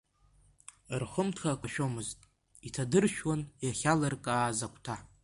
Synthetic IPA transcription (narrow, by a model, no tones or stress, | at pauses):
rχəmtʰχakʷʰʼaʃᶣomɨztʼ | itʰadɨrʃᶣwanjaχʲalarkʼaːzakʷʼʰtʰa